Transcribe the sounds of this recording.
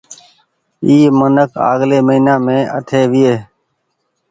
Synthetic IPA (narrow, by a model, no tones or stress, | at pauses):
iːmənəkʰa̰ːɠleːməɦiːnaːmẽːə̰ʈ̪ʰeːʋɪeː